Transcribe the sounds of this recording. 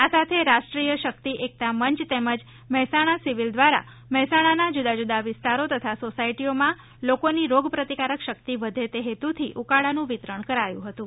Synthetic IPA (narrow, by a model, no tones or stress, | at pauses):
asat̪ʰeɾaʃʈɾijəʃək̚t̪iʔek̚t̪aməɲt͡ʃt̪eməd͡ʒ | məɦɛsaɽ̃asiʋild̪ʋaɾa̰ | məɦɛsaɽ̃anad͡ʒud̪ad͡ʒud̪aʋɪst̪aɾot̪ət̪ʰasosaiʈiomã | lokoniɾoɡpɾət̪ikaɾəkʃək̚t̪iʋəd̪ʱet̪eɦet̪ut̪ʰiʔukaɽanũʋɪt̪ɾəɳ̃kəɾajṵ̃ɦət̪ũ